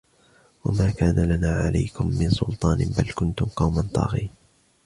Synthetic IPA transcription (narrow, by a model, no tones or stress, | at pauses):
wamaːkaːnʔalanaːʕa̰la̰jkʊmːɪnsʊlt̪ˤɑːnbalkʊnt̪ʊmqɑwmant̪ˤɑ̰ːɣiːn